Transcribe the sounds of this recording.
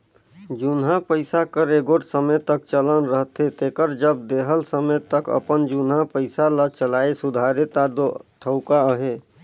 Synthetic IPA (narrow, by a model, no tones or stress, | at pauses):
d͡ʒʊnɦãpəɪsakəɾeɡoʈsəmət̪ək̚t͡ʃələnɾəɦt̪ɦet̪eːkəɾd͡ʒəb̚d̪eːɦəlsəmət̪əkə̰pənd͡ʒunɦapəɪsalət͡ʃəlaːesʊd̪ʱaːɾet̪ad̪ot̪ʰəʊkaəɦe